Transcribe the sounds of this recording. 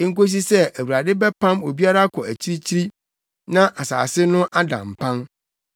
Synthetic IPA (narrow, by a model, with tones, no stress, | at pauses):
ŋ̩˦ko˦s̬i˦sɛ˦æ˨wu˨ɾa˨dɪ˦bɛ˦pʰã˦mo˨bi˦a˦ɾa˦kʰɔ˨æ˨t͡ɕʰi˦ɾi˦t͡ɕʰi˦ɾi˦ | nã˦ʔa˨sa̰ː˨sɪ˦nʊ̃˦ʔa˦dã̰˨m˨pʰã˦n